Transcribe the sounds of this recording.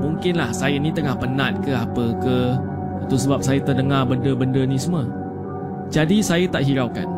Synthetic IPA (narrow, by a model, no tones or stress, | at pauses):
muŋkɪnlahsajənĩt̪əŋahpənãt̪̚kəapəkə | at̪usəbap̚sajət̪ədəŋabəndəbəndənĩsəmə | d͡ʒadisajət̪aʔɦiɾaka̰n